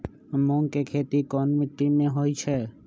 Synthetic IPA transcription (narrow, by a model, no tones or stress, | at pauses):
mõŋkekʰeːt̪ikɔːnmɪʈːimẽɦoit͡ʃʰɛː